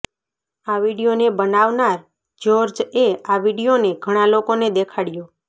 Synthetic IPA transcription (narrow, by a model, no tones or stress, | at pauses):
aʋiɽijonebənaʋnaɾ | d͡ʒoɾd͡ʒeaʋiɽijoneɡʱəɽ̃ãlokoned̪ekʰaɽijo